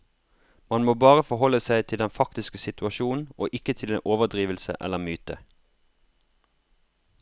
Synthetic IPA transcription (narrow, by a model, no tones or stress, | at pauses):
mɑnmoːbɑːʁəfɔhɔləsæɪt̪ʰɪld̪ɛnfɑkt̪ɪskəsɪt̪ʉɑʃuːn̩ʔoːʔɪkət̪ʰɪlḛnʔoːʋəʁd̪ʁiːʋəlsə̰ʔɛ̰ləmyːt̪ə